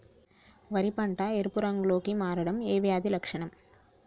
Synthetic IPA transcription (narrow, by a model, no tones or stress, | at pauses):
ʋɐɾɪpaːɳʈaːɛɾɯpːɯɾaŋɡɭoːkimaːɾɐɽɐmeːʋɐjaːðilɐkʂɐɳɐm